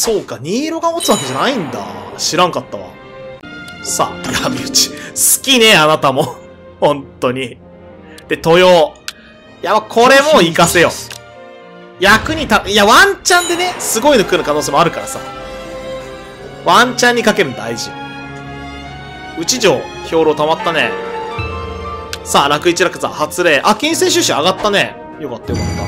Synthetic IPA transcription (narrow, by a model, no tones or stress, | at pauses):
so̞ːkaɲ̟iːɾo̞ɡamot͡sɨβake̞ʑanaĩnd̪a̰ɕiɾãŋkat̪ːaβa̰ | sa̰t̪at̪ʰabʲiɯ̟t͡ɕi̥sɨ̥kʲine̞anat̪amo̞ | hõ̞nt̪o̞ɲ̟i | d̪̥e̞t̪o̞jo̞ː | jamakʰo̞ɾe̞mo̞ikase̞jo̞̰ | jakɯ̟ɲ̟it̪aiaβãɲt͡ɕãnd̪e̞ne̞sɨɡo̞inokɯ̟nːakanoːseːmoaɾɯ̟kaɾasa̰ | βãɲt͡ɕãɲ̟ːikakeɾɯ̟nod̪aiʑḭ | ɯ̟t͡ɕiʑo̞ː | çʲo̞ːɾo̞ːt̪amat̪ːanḛ | saːɾakɯ̟it͡ɕiɾakɯ̟̥sa̰hat͡sɨɾe̞ːʔakʲĩɰ̃sẽɕ̬ɨɕĩaɡat̪ːane̞ | jo̞kat̪ːajokat̪ːa̰